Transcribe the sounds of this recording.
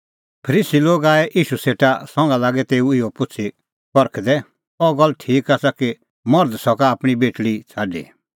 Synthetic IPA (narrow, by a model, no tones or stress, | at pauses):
pʰəɾiːsiloːɡaːɛʔiːʃuseːʈasɔ̃ŋɡalaːɡɛt̪eːuɪɔpʊt͡sʰi | pɔɾkʰd̪ɛ | ɔɡɔlːʈʰiːkaːsaki | mɔɾd̪sɔkaːpɽ̃ibeːʈɭit͡sʰaːɖḭ